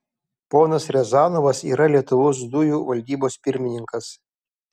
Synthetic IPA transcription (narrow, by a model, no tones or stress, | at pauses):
poːnɐsɾʲɛzɑːnoʋɐsḭːɾɐlʲiɛt̪ʊʋoːsd̪ʊjuːʋɐlʲd̪ʲiːboːspʲɪɾʲmʲɪnʲɪŋkɐs